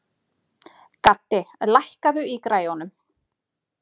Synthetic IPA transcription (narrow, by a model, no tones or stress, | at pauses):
kat̪ːɪlajhkaðʏikɾaːjɔnʏm